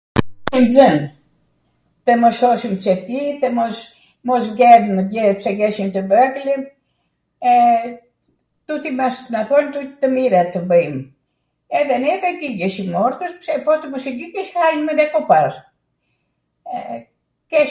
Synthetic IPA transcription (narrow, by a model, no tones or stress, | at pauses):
imzən | t̪əmɔʃɔʃimpsɛpt̪it̪əmɔs | mɔs̬ɡɛɾməd̪ɛpsɛɡɛʃimt̪əbəklim | ɛ | t̪ut̪imasmaθɔnt̪ut̪əmiɾɛt̪ːəbəjm | ɛðɛnɛkɛɡiɡɛʃimɔɾt̪əʃpsɛpɔt̪əvuʃiɡiɡɛʃhajnməd̪ɛkɔpaɾ | kɛ